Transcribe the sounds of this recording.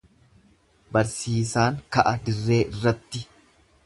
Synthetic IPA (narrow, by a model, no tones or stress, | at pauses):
bɐɾsiːsaːŋkɐʔɐd̪ɪrːe̞ːʔɪrːɐt̪ːɪ